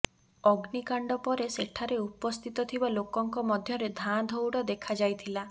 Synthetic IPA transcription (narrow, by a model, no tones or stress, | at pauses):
ɔɡnikaɳɖɔpɔɾeseʈʰaɾeupɔst̪ʰit̪ɔt̪ʰibalokɔŋkɔmɔd̪ʱjɔɾed̪ʱad̪ʱɔwɽɔd̪ekʰad͡ʒajt̪ʰila